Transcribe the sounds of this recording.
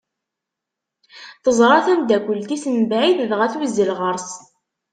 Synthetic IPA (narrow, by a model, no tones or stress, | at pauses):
θəzˤɾˤɑθænd̪ækʷəlt̪isənbʕiθðʁæθwizːəlʁəɾˤs